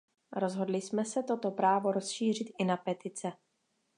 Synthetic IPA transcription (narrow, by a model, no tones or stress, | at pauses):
ɾo̞zɦo̞dlɪsmɛsɛt̪o̞t̪o̞pɾaːvo̞ɾo̞sʃiːr̝ɪt̪ɪnapɛt̪ɪt͡sɛ